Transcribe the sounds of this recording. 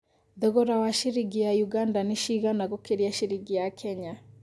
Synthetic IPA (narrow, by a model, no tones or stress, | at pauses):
ðɔɣɔɾawaʃiɾiɡijajuɡandaneʃiɣanaɣokeɾiaʃiɾiɡijakʰɛɲa